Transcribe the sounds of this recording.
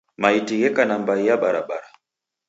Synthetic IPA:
maitiɣɛkanambaijaɓaɾa̰ɓaɾa

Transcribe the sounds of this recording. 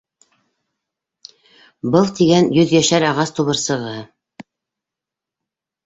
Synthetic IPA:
bɤlˠt̪iɡænjɵðjæʃæɾɑʁɑst̪uβɤ̆ɾsɤ̆ʁɤ

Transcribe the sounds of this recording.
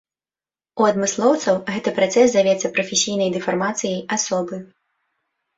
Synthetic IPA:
uɐd̪mɨslˠɔwt̪sɐwɣɛt̪ɨpɾat̪sɛsd̪avʲɛt̪sɐpɾɐfʲesʲijnɐjd̪ɨfarmat̪sɨjɐjasɔbɨ

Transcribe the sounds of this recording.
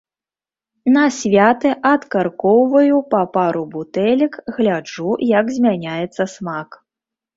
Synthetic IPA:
nɐsʲvʲat̪ɨʔɐt̪karkɔwvɐjupapaɾubut̪ɛlʲɛkɣlʲad͡ʐujɐɡzʲmʲanʲajɛt̪sːɐsmak

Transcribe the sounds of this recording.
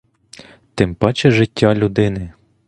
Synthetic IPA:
t̪ɪmpɑt͡ʃɛʒɪtʲːalʲud̪ɪnɪ

